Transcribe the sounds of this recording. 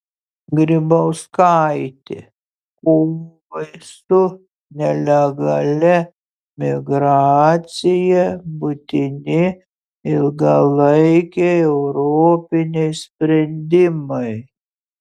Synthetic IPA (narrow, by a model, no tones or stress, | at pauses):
ɡɾʲɪbɐʊskaɪt̪ʲɪ̰ | koːʋɐɪsʊ | nʲɛlʲɛɡɐlʲɛ | mʲɪɡɾɑːt̪sʲɪjɛbʊt̪ʲɪnʲɪ | ɪlˠɡɐlˠɐɪkʲɛɛʊɾoːpʲɪnʲɛɪsʲpʲɾʲɛnʲd̪ʲɪmɐɪ